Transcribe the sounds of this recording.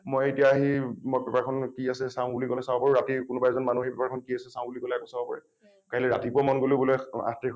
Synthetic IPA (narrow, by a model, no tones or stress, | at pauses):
mojetijaːɦimopɛpakʰɔnkiasɛsaʊ̃bulikɔlɛsabɔpaɹuɹatikʊnʊbaɛzɔnmanuɦejpɛpaɹkʰɔnkiasɛsaʊ̃bulikɔlɛakɔ̃sabɔpa̰ɹɛ | kaɦilɛɹa̰tipʊamɔnɡolojbɔloja̰ti